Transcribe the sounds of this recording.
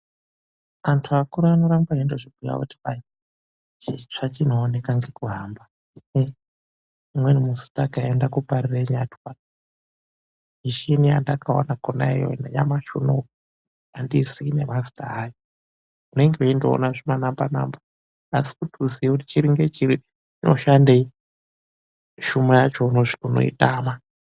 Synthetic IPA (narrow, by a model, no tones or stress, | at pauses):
antʰuakuɾuanoɾamɡaindoʐiɡuja̰wo̰ti̥βaj | t͡ʃit͡ʂat͡ʃin̤oːne̞kaŋɡe̞kuɦamba | mwenimusu̥takaendakupaɾireɲatwa | iʃinia̰ndakao̰nakonaijo̰nḛja̰maʃuno | andisiːnemazi̥ta̰ajo | une̞ŋɡeindoo̰naʐimanambana̰mba | asi̥kutuziekuti̥t͡ʃiɾiŋɡet͡ʃiɾi | ino̰ʃandei | ʃumejat͡ʃonouno̞̰ḭtaːma